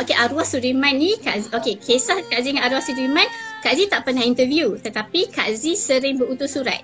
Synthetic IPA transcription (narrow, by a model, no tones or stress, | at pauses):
okeʔaɾuahsudimãnːĩka̰ʔzʔokekʰesahkaʔziŋanaɾuahsudimãnkaʔzit̪aʔpərnahint̪əvjut̪ət̪apika̰ʔzisəɾɪŋbəut̪ʊsuɾa̰t̪̚